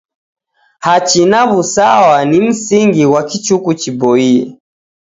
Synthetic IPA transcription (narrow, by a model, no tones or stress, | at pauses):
hat͡ʃinaβusawanim̩siŋɡiwakit͡ʃukut͡ʃibɔiɛ̰